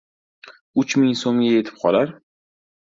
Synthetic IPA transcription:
ʊt͡ʃmɪŋsomɡʲaje̞t̪ʰɪ̥p̚qʰɒlaɾ

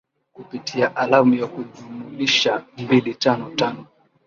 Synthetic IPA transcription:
kupitʰiaʔalamujakuʄumuliʃambilitanɔtanɔ

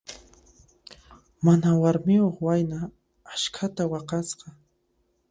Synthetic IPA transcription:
manawaɾmɪoχwajnaː | ʃkʰat̪awɑqɑsqɑ

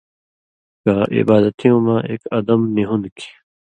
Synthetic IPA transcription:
kaʔḭbaːd̪ɐt̪ʰijõːmãːʔḛːkɐd̪ɐmniɦũnd̪kʰi̥

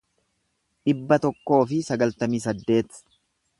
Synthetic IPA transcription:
ᶑɪbːɐt̪ɔkːo̞ːfɪsɐɡɐlt̪ɐmiːs̬ɐd̪ːe̞ːt̪

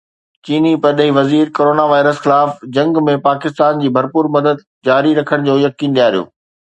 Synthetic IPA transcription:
t͡ɕiːnipɐɗɦiʋɐziːɾkoːɾoːnaʋaːɪɾəsxɪlaːfd͡ʑɐ̃ŋɡmẽpaːkɪst̪aːnd͡ʑiːbʱɐɾpuːɾmɐd̪əd̪̚ | d͡ʑaːɾiɾɐkʰəɽ̃d͡ʑoːjɐkiːnɗijaːɾijo̰ː

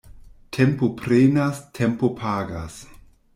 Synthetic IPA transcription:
tʰempopɾenastʰempopʰaːɡa̰s

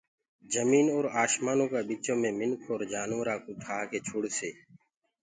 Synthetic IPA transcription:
d͡ʒəmiːnoːɾaːʃmaːnõːkaːɓiːt͡ʃõːmẽːmɪnkʰoːɾd͡ʒaːnoːɾaːkʊʈʰaːkeːt͡ʃʰʊɽseː

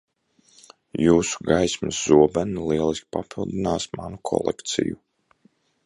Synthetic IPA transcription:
juːsu̥ɡajsmɨszuɔbɛnilˠiɛlˠiskʲpapʰilˠd̪inaːsmanukʰɔ̰lˠɛ̰kt̪sḭju

